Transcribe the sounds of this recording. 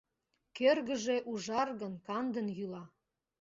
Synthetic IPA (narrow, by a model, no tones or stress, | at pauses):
kørɣəʒeʔuʒɑrɣənkɑnd̪ənjylɑ